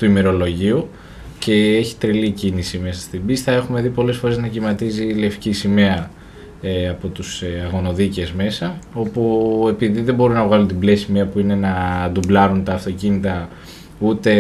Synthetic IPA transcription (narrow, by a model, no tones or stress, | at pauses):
t̪uime̞ɾo̞lo̞ʝiu | ce̞eçi̥t̪ɾilicinisime̞sɐst̪ibist̪ɐe̞xume̞ðipo̞le̞sfo̞ɾe̞znɐcimɐt̪izile̞fcisimeɐ | eɐpo̞t̪usɐɣo̞no̞ðice̞zme̞sɐo̞pue̞piðiðe̞mbo̞ɾunɐɣɐlunt̪iblesimeɐpuine̞nɐd̪ublɐɾunt̪ɐːft̪o̞cinit̪ɐ | ut̪e̞